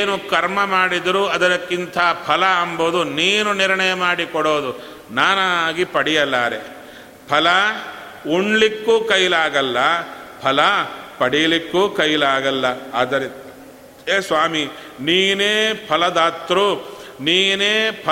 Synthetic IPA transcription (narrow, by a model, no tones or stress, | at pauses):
nukɐɾmɐmaːɽid̪ɐɾuɐd̪ɐɾɐkːint̪ʰɐpʰɐlɐːmboːd̪uniːnuniɾɳɐjɐmaːɽikɔɽoːd̪u | naːnaɡipɐɽijɐlːaːɾe | pʰɐlɐ | uɳlikːuːkɐjlaːɡɐlːɐpʰɐlɐpɐɽijɐlikːuːkɐjlaːɡɐlːɐaːd̪ɐɾe | eːsʋaːmi | niːneːpʰɐlɐd̪aːt̪ːɾuniːneːpʰɐ